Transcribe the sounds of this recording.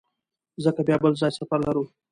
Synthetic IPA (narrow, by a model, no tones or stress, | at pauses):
zəkabjaːbəlzaːjsɐfɐɾlɐɾuː